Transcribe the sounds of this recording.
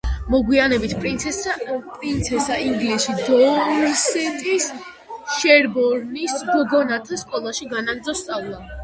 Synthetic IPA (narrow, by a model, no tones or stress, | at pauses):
mɔɡwianɛbit̪ʰpʼɾint̪sʰɛpʼɾint̪sʰɛsaiŋɡlisʃid̪ɔɾsɛt̪ʼis | ʃɛɾbɔɾnisɡɡɔnat̪ʰaskʼɔlˠaʃiɡanaɡɾd̪zɔst̪sʼavlˠa